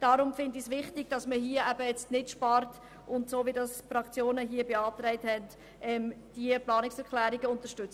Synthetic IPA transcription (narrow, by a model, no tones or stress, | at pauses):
d̥ɑɾʊmfɪndisʋɪχtɪɡ̥̚d̥ɑsməɦiəæbəjɛt͡stnɪtʃpɑrt | ʊntsoːʋidɑsfɾɑkt͡sjoːnəɦiəbeɑːt̪ɾɛɪthɛnt | ɛmd̥iəplɑːnɪksɛɾkʰlæːɾiɡəʊnt̪əʃtʏt͡s